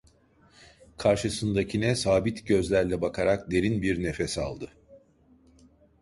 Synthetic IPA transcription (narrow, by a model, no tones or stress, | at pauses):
kʰaɾʃɯsɯnd̪acʰinɛsaːbit̪ɟø̞zlʲæɾlʲɛbakʰaɾakd̪e̞ɾinbiɾnefesa̰lˠd̪ɯ